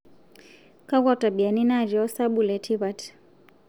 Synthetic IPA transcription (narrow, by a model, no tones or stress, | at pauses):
kaɣatabianinaɾiɔsaɓulɛtʰiβat